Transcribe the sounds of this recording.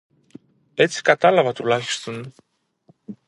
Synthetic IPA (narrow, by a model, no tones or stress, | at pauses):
e̞t͡si̥kɐt̪ɐlɐvɐt̪ulɐçi̥st̪o̞n